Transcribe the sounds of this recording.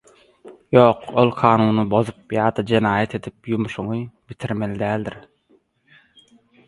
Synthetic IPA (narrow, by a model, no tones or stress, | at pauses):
joːqolˠqʰɑːnuːnɯbo̞zup̚jɑːd̪ɑd͡ʒenɑːjet̪ʰe̞d̪ip̚jumuʃuŋɯbit̪ʰiɾmelid̪æːld̪iɾ